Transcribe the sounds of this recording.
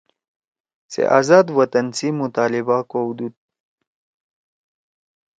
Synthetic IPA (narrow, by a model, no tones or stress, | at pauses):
sḛʔa̰zaːd̪wɐt̪ɐnsimut̪aːlibakod̪ud̪̚